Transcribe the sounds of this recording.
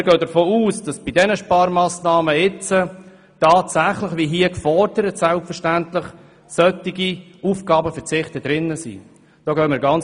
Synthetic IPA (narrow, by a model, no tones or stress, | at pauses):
ɪɾɡœd̥əɾfoːuːsd̥ɑsb̥idɛnəʃpɑːɾmɑːsnɑːməɪt͡sə | tɑːtsæχlɪχʋiɦiəkfɔɾd̥əɾətsɛlpfəɾʃtæntlɪχ | sœtːiɡiuːfɡ̥ɑːbəfəɾt͡sɪχtəd̥ɾɪnːəsḭ | d̥ɔːɡœːmɪːɾɡɑnt͡s